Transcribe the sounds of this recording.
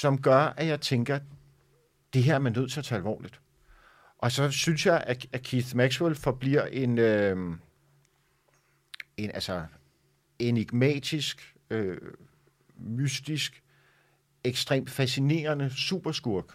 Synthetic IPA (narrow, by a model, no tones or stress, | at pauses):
sɒ̽mɡ̥ɶɐʔæjɑ̈ɪt͡sʰeŋɡ̥ɐ | d̥e̝ɦæɐ̰ɐmænːøð̰ˠt͡sʰe̝ɐt͡sʰɛælʋɒ̰ːlid̥ | ʔɒ̽sɒ̽synsjɑ̈ɪʔæækʰiθmæɡ̥swelfɒ̽b̥liɐ̰ʔe̝nø | e̝nʔælsɒ | e̝niɡ̥mɛ̰ːd̥isɡ̥ | ø | mysd̥isɡ̥ | eɡ̥sd̥ʁḛːm̥fæsine̝̰ːɐnəsṵːb̥ɐsɡ̥uɐɡ̥